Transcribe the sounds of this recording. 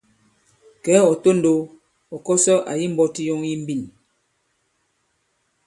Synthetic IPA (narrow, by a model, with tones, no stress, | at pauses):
kɛ˨˦ɔ˨to˦n̩˦do˨˦ | ɔ˨kɔ˦sɔ˦ʔa̰˨ji˦m̩˦bɔ˦ti˦jo˦ŋji˦m̩˦bi˦˨n